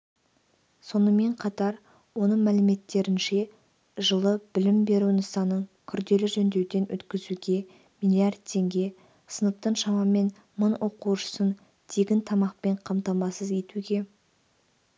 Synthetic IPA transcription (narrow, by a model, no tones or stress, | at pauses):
so̞nəme̞ɴqʰɑt̪ɑɾ | wo̞nəɴmælɪme̞t̪ːe̞ɾɪnʃe̞ | ʒəlˠəb̥ɪlɪmbe̞ɾunʊsɑnːəɴkʲʰʏɾd̪e̞lɪʒɵnd̪ewd̪e̞nʔɵ̰t̪kʲɪzuɡʲe̞ | mijlʲˠiɑrd̪̚t̪ʰːe̞ŋɡʲe̞ | sənəp̚t̪əɴʃɑmɑme̞n | mənwʔo̞quwʃə̥sən | t̪ʰe̞ɡʲɪnt̪ʰɑmɑq̚pe̞ɴqʰɑmt̪ɑmɑsəzje̞t̪uɡʲe̞